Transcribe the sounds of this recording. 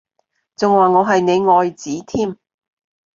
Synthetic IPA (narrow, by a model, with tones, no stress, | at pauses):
t͡sʊ˨ŋwaː˨ŋɔː˨˧ɦɐ˨jne˨˧jŋɔː˨jt͡siː˨˥t̪ʰiː˥m